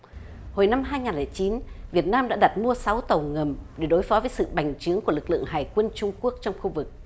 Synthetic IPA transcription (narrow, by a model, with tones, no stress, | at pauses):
ho˨˩jna˧mɦaː˧jŋaː˨˩nlɛː˨˩jt͡ɕi˨˦nvi˨˩ət̚naː˧mɗa̰ː˧˥ɗa˨˩t̚mu˧əsa˨˦wt̪ə˨˩wŋə˨˩mɗe˧˩ɗo˨˦jfɔ˨˦vəː˨˦jsɨ̰˧˨ɓa˨˩jŋ̟t͡ɕɨ˨˦əŋkəlɨ˨˩k̚lɨ̰˧˨əŋɦaː˨˩jkwə˧nt͡ɕʊ˧ŋ͡mku˦˥ək̚t͡ɕɔ˧wŋ͡mxu˧vɨ˨˩k̚